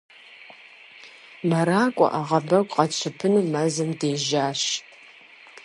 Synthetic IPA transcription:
maɾaːkʷʼɔ̰ʔaʁɐbɐkʷʼqɑt͡ʃʷʰɐpʰɨnɨmazɨmdeːʒaːʃ

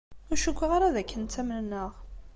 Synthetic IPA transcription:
æʃukʷːʁaɾaðækːənt̪æmnnːəʁ

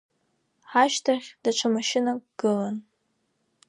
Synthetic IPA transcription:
aʃtʰaχʲd̥aʈ͡ʂʷʰamaʃɪnaɡɡ̥ɨlan

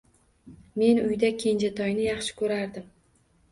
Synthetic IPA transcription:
me̞nʊjd̪akʲʰe̞nd͡ʒat̪ʰɒjnɪjɑχʃɪ̥kʰɵɾaɾd̪ɪm

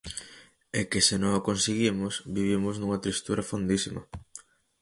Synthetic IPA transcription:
ekesɪnõŋokonsiɣimʊsbiβimʊznuŋɐt̪ɾist̪uɾɐfond̪isimɐ̰

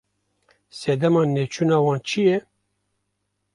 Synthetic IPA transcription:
sɛd̪ɛmɑːnet͡ʃʰunɑːwɑːnt͡ʃʰijɛ

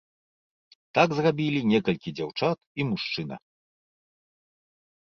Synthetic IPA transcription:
t̪aɡzrabʲilʲinʲɛkɐlʲkʲid͡zʲawt͡ʂat̪imuʂt͡ʂɨnɐ̰

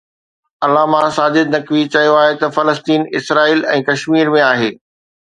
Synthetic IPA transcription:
ɐlaːmãsaːd͡ʑɪd̪̚nɐkʋit͡ɕɐɦijoaːɦet̪ɐfɐləst̪iːnɪ̰sɾaːiːlɛ̃ːkɐʃmiːɾmẽaːɦeː

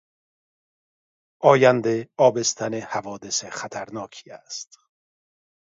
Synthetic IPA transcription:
ʔɒːjænd̪eɒːbest̪ʰænehævɒːd̪eseχæt̪ʰæɾnɒːkʰi̥ːæst̪

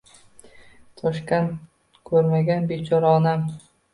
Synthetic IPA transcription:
t̪ʰɒʃkʲan | kʰɵɾmaɡʲanbet͡ʃʰɒɾaɒnam

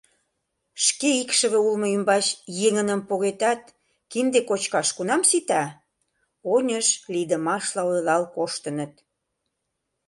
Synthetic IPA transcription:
ʃkeikʃə̆βeulmoymbɑt͡ɕjeŋənəmpoɣet̪ɑt̪̚ | kind̪ekot͡ɕkɑʃkunɑmsit̪ɑ | onʲəʃlid̪əmɑʃlɑod̪lɑlkoʃt̪ə̆nət̪̚

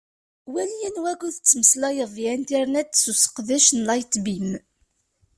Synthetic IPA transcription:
wæljænwæɡʷuθət͡sːməslɑjəvˤjænt̪iɾnæd̪susə̥qðæʃnlɑjt̪bim

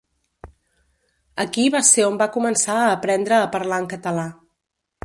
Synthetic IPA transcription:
əkiβaseɾombakumənsaəːpɾɛnd̪ɾəːpəɾlaŋkət̪əla

